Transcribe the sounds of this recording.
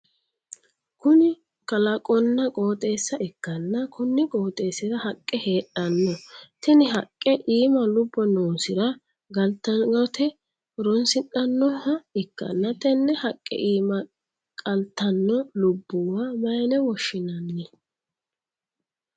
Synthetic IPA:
kʊnɪ | kɐlɐkʼɔnːɐkʼo̞ːt̪ʼe̞ːsːɐʔɪkːɐnːɐkʰʊnːɪkʼo̞ːt̪ʼe̞ːsɪɾɐhɐkʼːɛheːɗɐnːɔt̪ɛnɪɦɐkʼːɛʔiːmɐlʊbːɔnoːsɪɾɐ | ɡɐlt̪ːɐɡɐt̪ɛ | ɾɔnsɪnɐnːɔhɐɪkːɐ̰nːɐt̪ɛnːɛhɐkʼːɛ̰ʔiːmɐ | kʼɐlt̪ːɐnːɔlʊbːʊwaːmɐjnɛwɔʃːɪnɐnːɪ

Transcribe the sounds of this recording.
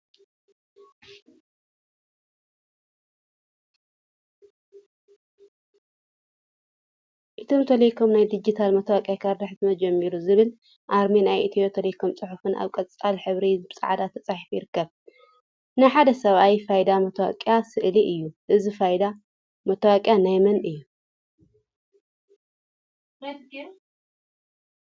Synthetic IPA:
ʔɨt̪ʰomt̪ʰɐlɐjkʰomnajd̪id͡ʒit̪ʰalmɐt̪ʰɐwakʼjakʰaɾd̪ɨħt̪mɐd͡ʒɐmːiɾuzɨβɨl | ʔaɾminajʔɨt̪ʰijot̪ʰɐlɐjkʰomt͡sʼɨħufɨna̰βkʼɐt͡sʼalħɨβɾizɨbt͡sʼa̰ʕad̪at̪ʰɐt͡sʼaħifujɪɾɨkːɐβ | nɨjħad̪ɐsɐβʔajfajd̪amɐt̪ʰɐwa̰kʼjasɨʔliʔɨjːuʔɨzifajd̪a | mɐt̪ʰɐwakʼjanajmɐnʔɨjːu

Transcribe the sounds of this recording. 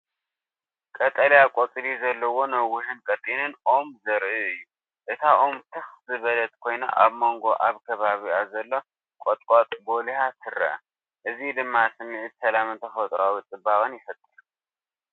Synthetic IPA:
kʼɐt̪ʼɐljakʼot̪ʼlizɐlːɐwo̞nɐwːʊhɨnkʼɐt̪ʼinɨnʔomzɐɾiɨjːu | ʔɨt̪ʰaʔomt̪ʰɨxzɨβɐlɐt̪kʰo̞jna̰ʔaβmo̞ŋɡo̞ʔaβkʰɐβaβiazɐlːo̞ | kʼot̪ʼkʼot̪ʼbo̞lihasʰɨrɐ̰ | ʔɨzid̪ɨmːasɨmːɨʕɨt̪sɐlamɨnt̪ʰɐxɐt̪ʼɾawit͡sʼɨbaɣʼɐnjɪfɐt̪ʼːɨl

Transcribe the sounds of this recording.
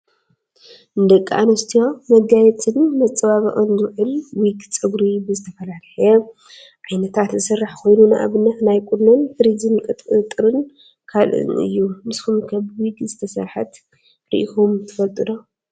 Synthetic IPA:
ʔɨnd̪ɐkʼːa̰nɐst̪ʰjomɐɡajɛt͡sʼɨnmɐt͡sʼɐβaβɐʔʼɨnzɨβʕɨlwikʼt͡sʼɨɡɾibɨzɨt̪ʰɐfɐlalħɐ | ʕajnɐt̪ʰat̪zɨsɨrːaħko̞jnunaʔa̰βɨnːɐt̪najkʼunonfɨɾizɨnkʼɨɨt̪ʼɨɾɨn | kʰalʔɨ̰nɨ̰jːumɨsxumkʰɐβwikʼzɨt̪ʰɐsɐ̰ɾħat̪ | ɾḭʔixomt̪ʰɨfɐlt̪ʼɨd̪o

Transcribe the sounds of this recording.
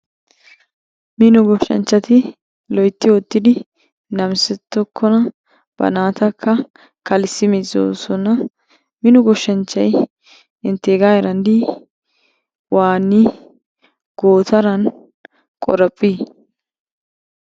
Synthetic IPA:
mɪnʊɡɔʃɐ̰nt͡ʃːɐt̪ɪ | lɔjt̪ːɪwɔt̪ːɪd̪ɪ | nɐmsɛt̪ːɔkʰːɔnɐ | b̥ɐ̰naːt̪ɐkʰːɐ | kɐlsːɪmɪzo̰ːsɔnɐ | mɪnʊɡɔʃːɐnt͡ʃːɐj | ɪnt̪ːeːɡaːjɛɾɐnd̪i | waːnːi | ɡ̥oːt̪ʰɐɾɐn | kʼɔɾɐpʼːiː

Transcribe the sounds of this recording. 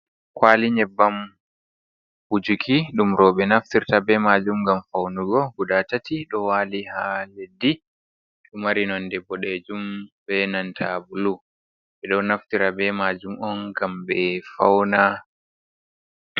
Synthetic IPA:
kʰwaliɲɛbːam | bud͡ʒukʰiɗumɾɔɓɛnaftiɾtabɛmad͡ʒumɡamfawnuɡɔɡuɗatatiɗɔwaːlihaledːi | ɗumaɾinɔndɛbɔɗed͡ʒumbɛnantʰabulu | ɓɛɗɔnaftiɾabɛmad͡ʒumɔnɡambɛfawna

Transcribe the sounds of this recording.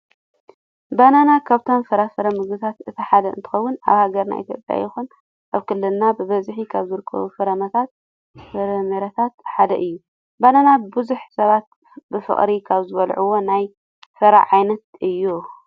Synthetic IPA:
bananakʰaβt̪ʰomfɐɾafɐɾɐmɨɡɨt̪ʰat̪ɨt̪ʰiħad̪ɐɨnt̪ʰɨ̥xɐwːʊna̰βhaɡɐɾna̰ʔḭt̪ʰjo̰pʼja̰jɪxun | ʔaβkʰɨlːɨlnabɨβɐzħikʰaβzɨɾɨkʰːɐ̰βufɐɾɐmɐt̪ʰat̪̚ | fɨɾɐmeɾat̪ʰat̪ħad̪ɐ̰ʔɨjːu | bananabɨzuħsɐβat̪̚ | bɨfɨ̰χʼɾikʰaβzɨβɐlʕuwo̞naj | fɐɾa̰ʕajnɐt̪ʔɨjːu

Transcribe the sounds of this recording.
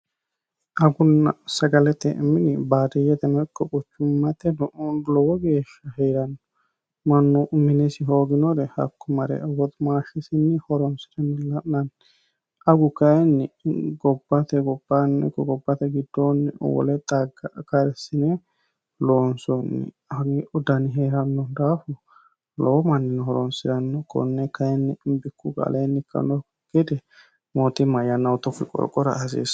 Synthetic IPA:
ʔɐɡʊnːɐsɐɡɐlɛt̪ːɛʔɪmːɪnɪbaːd̪ɪjɛt̪ɛnɐkːɔkʼʊt͡ʃːʊmːɐt̪ːɛlɔwɔɡe̞ːʃːɐhɛjɾɐnːɔ | mɐnːɔmɪnɛsɪɦoːɡɪnɔɾɛhɐ̰kːɔmɐɾɛ̰wɔt̪maːʃɛsɪnːɪhɔɾɔnsɪ̥t̪ɛnːɪlɐʔnɐn | ʔɐɡʊkɐjɛnːɪɡɔbːɐt̪ɛɡɔbːɐnːɛkɔɡɔbːɐt̪ɛɡɪd̪ːoːnːɪwɔ̰lɛt̪ʼɐɡɐkɐɾɛsːɪnɛ | loːnsɔnːɪ̰ | ɡɪʔɔd̪ɐnɪɦeːɾɐnːɔnd̪aːfʊ | loːmɐnːɪnhɔɾɔnsɪd̪ɐnːɔkːɔ̰nːɛkɐjɛnːɪmbɪkːuɡɐ̰leːnːɪkʰːɐ̰nɔ | ɡ̥ɛd̪ɛ | moːt̪ɪmɐjɐnːɐwt̪ʊfːɪ̰kʼɔ̰ɾkʼɔɾɐ̰ɐsḭːs

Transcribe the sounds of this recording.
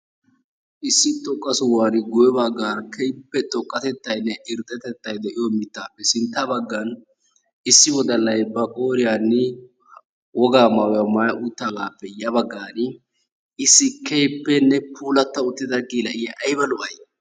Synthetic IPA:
ʔɪsːɪt̪ʼːɔkʼːɐsʊwaːnɡʊjɛbɐɡːaːɾkʰɛjpːɛt̪ʼɔkʼːɐt̪ɛt̪ːɐjnːɛʔɪɾt̪ʼːɛt̪ɛt̪ːɐjd̪ɛʔɪjɔmɪt̪ːaːpːɛsɪnt̪ːɐbɐɡːɐn | ɪsːɪwɔd̪ɐlːɐjbɐkʼo̞ːɾɪjanːɪ | wɔɡaːmɐwjɐmɐːjʔuːt̪ːalaːpːɛjɐbɐɡːaːnɪ | ɪsːɪkɛjpːɛnːɛpʰuːlɐt̪ːɐʊt̪ːɪd̪ɐɡʼiːlɐʔɪjɐʔɐjbɐlʊʔɐj

